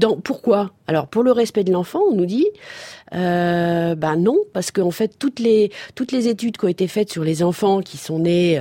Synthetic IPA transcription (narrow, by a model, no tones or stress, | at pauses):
d̪ɑ̃puʁkwaalɔʁpuʁləʁɛspɛd̪əlɑ̃fɑ̃ɔ̃nud̪i | øbanɔ̃paʁsə̥kəɑ̃fɛt̪ːut̪leut̪lezet̪yd̪kʲɔ̃et̪efɛt̪syʁlezɑ̃fɑ̃kʲisɔ̃ne